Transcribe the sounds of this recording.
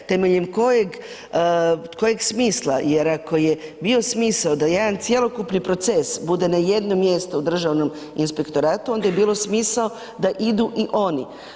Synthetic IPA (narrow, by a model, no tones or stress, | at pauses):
t̪e̞meʎemko̞jeɡ | kʰo̞je̞ɡsmiːslaje̞ɾako̞je̞bio̞smiːsaod̪aje̞d̪ant̪sjelˠo̞kupnipɾo̞t̪se̞sbud̪e̞naje̞d̪no̞mje̞st̪oud̪r̩ʒaʋno̞m | inspe̞kt̪o̞ɾaːt̪uo̞nd̪aje̞biːlˠo̞smiːsao | d̪aʔid̪uʔiʔo̞ni